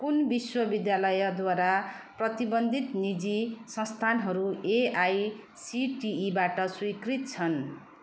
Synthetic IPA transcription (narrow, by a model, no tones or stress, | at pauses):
kunbiswʌbid̪jalʌjʌd̪waɾaprʌt̪ibʌnd̪ʱit̪nid͡zisʌ̃st̪ʰanɦʌɾueaj | siʈiːbaʈʌswikrit̪̚t͡sʰʌn